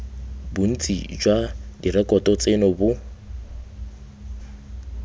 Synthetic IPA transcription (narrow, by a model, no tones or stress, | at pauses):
bʊn̩t͡sʼḭd͡ʒwadirɛkʼɔtɔt͡sʼenɔbʊ